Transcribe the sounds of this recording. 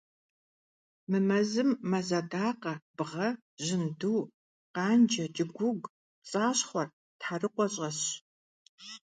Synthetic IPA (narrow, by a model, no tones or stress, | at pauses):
mɨmɐzɨmːɐzadaːqɐbʁɐ | ʑɪnduː | qɑːnd͡ʒɐt͡ʃʼɪɡʷʊɡ | t͡sʼaːɕχʷɔr | tħarɨqʷɔɕʼɐɕ